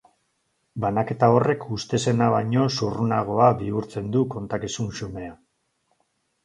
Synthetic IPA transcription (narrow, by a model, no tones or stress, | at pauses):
banake̞t̪ao̞re̞kʰust̪e̞se̞naβaɲo̞surunaɣ̞o̞aβiuɾt͡se̞nd̪uko̞nt̪akisunsume̞a